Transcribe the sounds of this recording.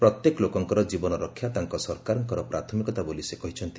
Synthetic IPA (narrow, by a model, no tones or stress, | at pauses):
pɾɔt̪jekɔlokɔŋkɔɾɔd͡ʒibɔnɔɾɔkʰːjat̪aŋkɔsɔɾkaɾɔŋkɔɾɔpɾat̪ʰɔmikɔt̪abolisekɔɦit͡ʃʰɔnt̪i